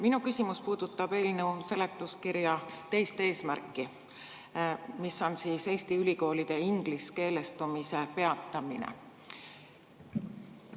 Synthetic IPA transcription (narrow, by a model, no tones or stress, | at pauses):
minukysʲimuspuːd̪̥ut̪ˑːɑb̥e̞ːlneuse̞le̞t̪ːˑuskiɾjɑt̪e̞jst̪e̞ːsmærkːˑi | misːo̞nsiːse̞ːsʲt̪iylʲiko̞ːlid̪̥e̞iŋɡ̥liske̞ːle̞st̪umise̞pe̞ɑt̪ːˑɑminḛ